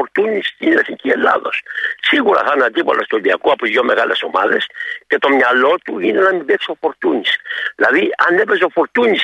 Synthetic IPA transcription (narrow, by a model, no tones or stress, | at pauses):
oɾt̪unist̪inlesiŋkiela̰ðossiɣuɾa̰θanad̪iβa̰lost̪oβiakuaposjomeɣalesomaðesk̪et̪omɲalot̪uinalamibeksofoɾt̪uɲislaβiand̪ebes̬ofoɾt̪uɲis